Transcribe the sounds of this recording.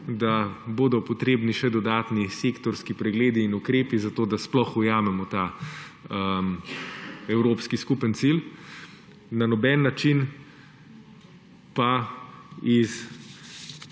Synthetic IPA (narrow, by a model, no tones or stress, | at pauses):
d̪aboːd̪ɔpɔt̪ɾeːbniʃɛd̪ɔd̪aːt̪niseːkt̪ɔɾskipɾɛɡleːd̪iːnukɾeːpizat̪oːd̪asplɔxujaːmɛmɔt̪aː | əm | ɛwɾoːpskiskupənt̪sil | nanɔbɛːnːat͡ʃin | pa | is